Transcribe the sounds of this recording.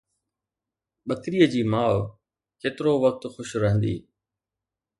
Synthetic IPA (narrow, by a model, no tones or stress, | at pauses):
ɓɐt̪ɪɾiːəd͡ʑiːmaːʋ | keːt̪ɪɾoʋɐk̚t̪xʊʃɾɐɦə̃nd̪ḭː